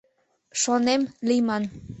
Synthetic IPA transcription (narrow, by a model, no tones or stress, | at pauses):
ʃonemlimɑn